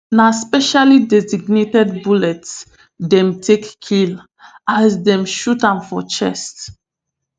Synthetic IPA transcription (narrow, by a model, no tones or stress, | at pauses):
naspɛʃalidɛziɡnetɛdbulɛts | dɛ̃mtʰekːʰil | azdɛ̃mʃutãnfɔt͡ʃɛ̰st